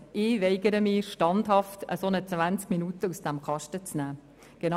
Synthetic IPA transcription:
ɪːʋɛɪɡəɾəmɪːʃtɑndhɑftə̰sonət͡sʋænt͡skminutəusd̥æmkɑʃtət͡snæː | ɡ̥enɑ

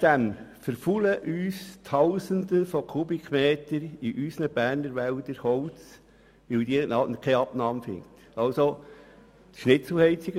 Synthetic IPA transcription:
d̥æmfəɾfuləʔyːstʰɑwsənd̪əfɔkʰubikmeːt̪əɾiʔysnəb̥æːɾnəɾʋæld̪əɾhɔwt͡s | ʋɪld̪inɑnəkʰɛjɑb̥nɑːmfɪ̰ŋt̪ | ɑlso | t̪ʃnɪt͡sl̩hɛɪt͡siɡə

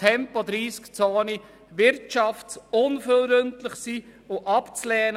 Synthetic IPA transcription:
ɛmpɔd̪ɾiːskt͡soːni | ʋɪɾtt͡ʃɑftsʊnfølɾɵntlɪχsiːʊʔɑpt͡slɛːn

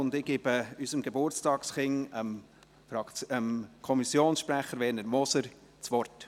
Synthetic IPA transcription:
ʊndɪɡ̥eːb̥əysəmɡ̥ebʊɾt͡stɑːksχɪŋəm | fɾɑkəmkʰɔmisjoːnsʃpɾæχəɾʋɛːnəɾmɔsəɾ | t͡sʋɔrt

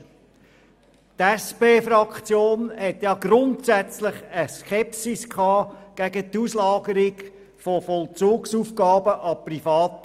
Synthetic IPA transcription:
tɛspeːfɾɑkt͡sjoːnhɛtjɑːɡ̥ɾʊntsæt͡slɪχəskʰɛpsiskʰɑːɡ̥æɡət̪uslɑːɡəɾɪɡ | fofɔlt͡suːksuːfɡɑːbəʔɑprifɑːt̪

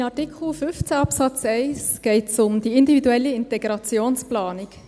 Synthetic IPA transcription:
ɑtikχl̩fʏft͡sæɑpsɑt͡sɛɪsɡ̥ɛɪtsʊmd̪iɪnd̪ividuɛlːiɪntɛɡɾɑt͡sjoːnsplɑːnik

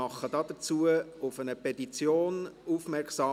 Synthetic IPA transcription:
ɑχəd̥ɑːd̥ət͡suəʊfənəpʰɛtit͡sjoːnufmɛrksɑː

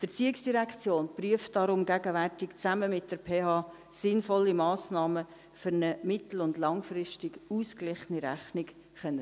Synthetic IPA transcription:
d̥ət͡siːɪksd̥iɾækt͡sjoːnpryəft̚d̥ɑɾʊmɡæɡəværtɪkt͡sæməmɪt̚d̥əɾpʰeːhɑː | sɪnfɔlːimɑːsnɑːmə | fʏɾnəmɪt̪l̩ʊndlɑŋfrɪstɪɡuːsklɪχəniɾæ̰χnɪk | χɛnːə

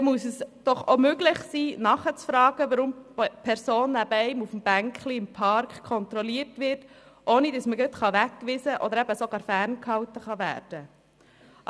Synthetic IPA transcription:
ɛmuəsəsd̥ɔχomøɡlɪχsiːnɑχət͡sfɾɑːɡ̥əʋəɾʊmpʰɛɾsoːnːæbəɛɪmufm̩b̥æŋkχliɪmpʰɑɾkχkʰɔnt̪ɾɔliəɾtʋɪɾtʔoːnid̥ɑsməɡœt̪χɑʋækːʋɪzəʔɔd̪əɾɛbəsoɡɑːɾfæːrnkhɑwt̪əχɑʋæ̰ːɾd̥ə

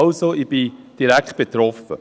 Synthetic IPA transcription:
ʊsoib̥id̥iɾækχt̚b̥et̪ɾɔfə̰

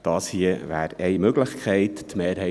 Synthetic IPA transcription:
d̥ɑːshiəʋæ̰ːɾɛɪmøɡləχkʰχɛɪttmeːɾɦɛ

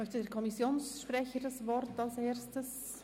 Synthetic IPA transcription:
œçtədeːɾkʰɔmisjoːnsʃprɛçədɑsvɔrtɑlseːɾstəs

